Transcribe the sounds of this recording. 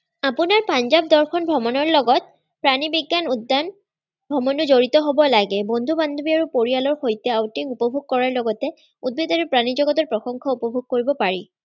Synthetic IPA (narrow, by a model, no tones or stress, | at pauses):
apunaɹpanzab̚dɔɹxʰɔnbʱɹɔmɔnɔɹlɔɡɔt̚ | pɹanibiɡːanudːan | bʱɹɔmɔnʊzoɹitɔɦobɔlaɡɛbond̪ʱuband̪ubiaɹupoɹialɔɹxojtɛawtiŋupɔbʱuɡ̚kɔɹaɹlɔɡɔtɛ | ud̚bid̪aɹupɹanizɔɡɔt̬ɔɹpɹɔxɔŋkʰɔupɔbʱuɡ̚koɹibɔpaɹḭ